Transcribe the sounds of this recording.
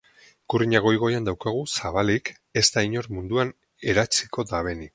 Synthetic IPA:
kuriɲaɣo̞jɣ̞o̞jand̪awkaɣ̞usaβalik | ezt̪aiɲo̞ɾmund̪uan | e̞ɾat͡siko̞d̪aβe̞ni

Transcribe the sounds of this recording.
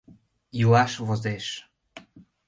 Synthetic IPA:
julɑʃvozeʃ

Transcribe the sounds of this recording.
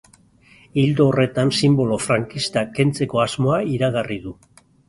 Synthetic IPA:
ild̪oːre̞t̪ansimbo̞lo̞fɾaŋkist̪ake̞nt͡se̞ko̞azmo̞aiɾaɣariðu

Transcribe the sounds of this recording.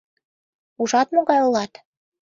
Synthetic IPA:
uʒɑt̪moɣɑjolɑt̪

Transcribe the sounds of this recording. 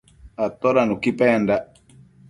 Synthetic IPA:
at̪ɔɾanukipɛnda

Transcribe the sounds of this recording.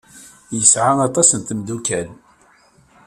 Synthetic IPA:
jəsʕaɑt̪ˤɑsənt̪əmd̪ukæl

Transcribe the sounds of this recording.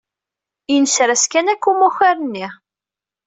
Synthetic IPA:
inəsɾæskænækːumuxaɾənːi

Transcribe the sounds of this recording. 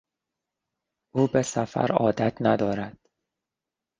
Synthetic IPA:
ʔuːbe̞sæfæ̰ɾɒ̰ːd̪æt̪ʰnæd̪ɒːɾæd̪̥

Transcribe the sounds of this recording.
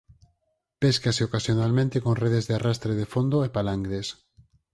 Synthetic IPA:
peskaseokasjonalmẽnt̪ekoŋreð̞ezðearast̪ɾeð̞efond̪oepalaŋɡðes

